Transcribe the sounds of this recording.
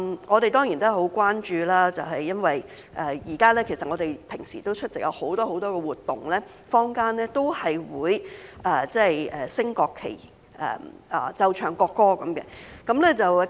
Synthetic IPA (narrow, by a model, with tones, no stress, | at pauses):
ŋʔɔː˨˧ɾe˨jt̪ɔː˥ŋjiː˨˩nt̪ʊ˥˨ɦo˨˥wkʷaː˥nt͡ʃyː˨˧laː˥t͡sɐ˨wɦɐ˨jːɐ˥nwɐ˨j | ʔɛː˨jiː˨˩kaː˥lɛː˥kʰe˨˩sɐ˨t̚ŋɔː˨˧t̪e˨jpʰɪ˨˩ŋsiː˨˩t̪o˥wt͡ʃʰɵ˥t̚t͡sɪ˨k̚jɐ̰˨˧who˨˥wt̪ɔː˥ho˨˥wt̪ɔː˥kɛː˧wuː˨˩t̪ːʊ˨ŋlɛː˥ | fɔː˥ŋkaː˥nlɛː˥t̪o˥whɐ˨jwuː˨˧˥jʔɛː˨t͡sɛː˥˨jɛː˨˩sɪ˥ŋkɔː˧kʰːḛ˨˩j | ɛ̰ː˨ʔɐː˨˩t͡sɐ˧wt͡ʃʰœː˨˩ŋkɔː˧kːɔː˥kɐ˨˦mkɛ̰˧kɐ˨˥mlɛː˥t͡sɐ˨w